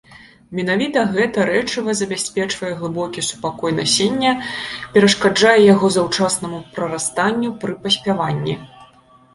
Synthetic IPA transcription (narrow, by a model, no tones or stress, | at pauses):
mʲɛn̪avʲit̪ɐɣɛt̪ɐɾɛt͡ʂɨvɐzɐbʲasʲpʲɛt͡ʂvɐjɛɣlˠɨbɔkʲɛsu̥pakɔjnɐsʲenʲːɐpʲɛɾɐʂkad͡ʐajɛjaɣɔzɐwt͡ʂasnɐmupɾɐɾast̪anʲːupɾɨpɐsʲpʲavanʲːḭ